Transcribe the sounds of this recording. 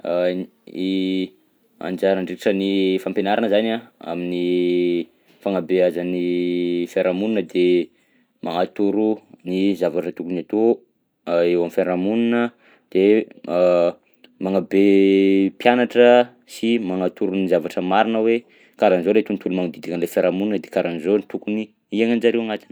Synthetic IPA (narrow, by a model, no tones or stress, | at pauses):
i | a̰nd͡ʒaɾaɳɖ͡ʐiiʈ͡ʂənifampenaɾanəzanaa̰mini | faŋabeazanifeɾamuninəd̪e | maŋat̪uɾunizavaʈ͡ʂət̪ukunat̪o | ewamifeɾamuninə | d̪̥e | maŋabepjanaʈ͡ʂə | simaŋat̪uɾunizavaʈ͡ʂəmaɾinəwe | kaɾanizolet̪unit̪ulumaŋad̪id̪ikənlefeɾamuninəd̪ekaɾʔanizonit̪ukuni | iaŋand͡ʒaɾewaŋat̪in